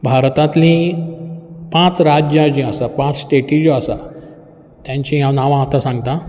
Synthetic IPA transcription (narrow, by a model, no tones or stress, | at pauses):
bʱaɾt̪ãt̪lĩ | pãt͡sɾad͡ʑjãd͡ʑĩasapãt͡ssʈeʈid͡ʑiasa̰ | t̪jãɲt͡ɕĩɦjãnaʋãt̪asãŋɡt̪a